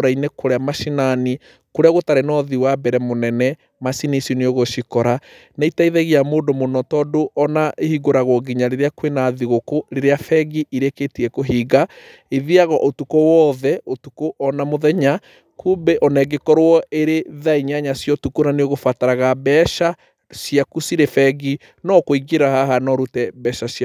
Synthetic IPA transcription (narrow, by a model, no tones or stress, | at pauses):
ɾainekoɾeamaʃinani | koɾeaɣotaɾenɔðiwabɛɾɛmonɛnɛ | masinisineoɣoʃikɔɾa | neitaiðɛɣiamoːdomonɔtɔːdoʔɔnaehiɡoɾaɣɔɡiɲaɾeɾeakwenaðiɣokoɾeɾeafɛɡiiɾeketiɛkoɦiːɡa | eðiaɣɔʔotukowɔðɛotukoʔɔnamoðɛɲa | kumbeʔɔnɛɡekɔɾwɔeɾeðaiɲaɲasjɔtukonaneoɣofataɾaɣabɛʃa | sjakusiɾefɛɡi | nɔkoiɡeɾahaɦanɔɾutɛbɛʃas